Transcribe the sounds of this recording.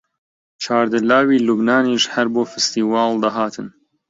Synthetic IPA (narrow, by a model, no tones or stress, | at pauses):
t͡ʃʰaːɾd̪ɨlaːwiːlubnaːniːʃhɐɾboːfɨst̪iːwɑːld̪ɐɦaːt̪ʰɨn